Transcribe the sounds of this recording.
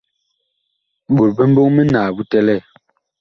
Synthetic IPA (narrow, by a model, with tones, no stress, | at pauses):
ɓu˨ɾbə˦m̩˦bo˦ŋme˦naː˨bu˦tɛ˦lɛ˦˨